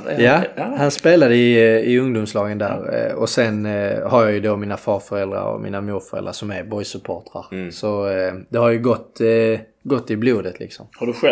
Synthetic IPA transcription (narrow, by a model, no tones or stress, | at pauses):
jahanspeːlad̪əɪɪɵŋd̪ʊmslɑːɡənd̪æ̰ːɾɔsɛnhaɾjɑjɵd̪omɪːnafɑːɾfœɾɛld̪ɾa̰ɾɔ̰mḭːnamuːɾfœɾɛ̰ld̪ɾa̰ʂsɔmæɾbɔjsɵpʰoːʈ̪ɾa̰ɾsɔd̪̥ɛhaɾjɵɡɔt̪ːɡɔt̪ːɪbluːd̪ət̪ʰlɪ̰ksɔmhaɖɵɧɛ